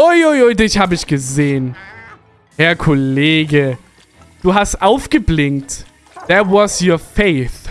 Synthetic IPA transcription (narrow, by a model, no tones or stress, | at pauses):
ʔʊjʔojoɪdɪçhaːbəɪçɡ̥əzeːən | hɛɐkʰɔleːɡə | d̥uːɦastʔaʊfɡ̥əblɪnt | ðɛɐwɔsjoːɐfeɪθ